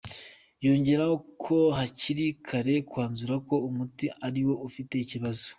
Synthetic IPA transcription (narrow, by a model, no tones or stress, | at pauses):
jo̞ːɲɟe̞ɾahokʰo̞ɦaciɾikʰaɾe̞kwaːnzuɾako̞umutiaɾiwo̞ufite̞iciβazo̥